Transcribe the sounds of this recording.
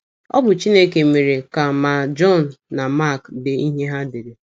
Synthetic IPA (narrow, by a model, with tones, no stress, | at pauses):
ɔ̰˦bʊ˨t͡ʃi˦ne˦ke˨me˨ɾe˨ka˨ma˨d͡ʒɔ˦˨n̩ː˨a˨ma˦˨kdɪ˨i˦ɦe˦ɦa˦de˨de˨